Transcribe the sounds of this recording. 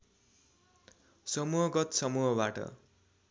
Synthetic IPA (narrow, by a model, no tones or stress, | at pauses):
sʌmuɦʌɡʌt̪sʌmuɦʌbaʈʌ̰